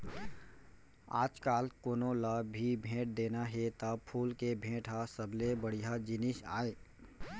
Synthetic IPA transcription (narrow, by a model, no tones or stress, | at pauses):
a̰ːd͡ʒkaːlkoːnõləibʱẽːʈ̚d̪eːnaɦet̪əbpʰuːlkebʱẽːʈʰasəblebəɽijad͡ʒɪnɪsa̰ːe